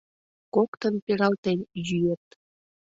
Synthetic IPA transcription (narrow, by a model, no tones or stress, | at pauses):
kokt̪ənpeɾɑlt̪enʲjyjet̪